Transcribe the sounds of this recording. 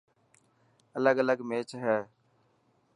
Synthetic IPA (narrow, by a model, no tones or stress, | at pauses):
ələɡələɡmeːt͡ʃɦɛː